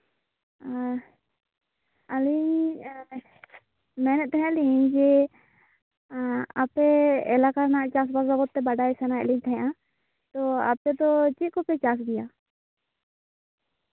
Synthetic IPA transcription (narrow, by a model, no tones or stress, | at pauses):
ali | mɛnɛt̪ɛɦɛ̃lid͡ʒɛ | apɛɛ̰lakaɾnaʔt͡ʃas̬basabɔt̪̚ːɛbaɖajsɛnaɛliɲt̪ʰajã | t̪ɔa̰pɛd̪ɔt͡ʃit̪̚kɔpɛt͡ʃas̬ɡija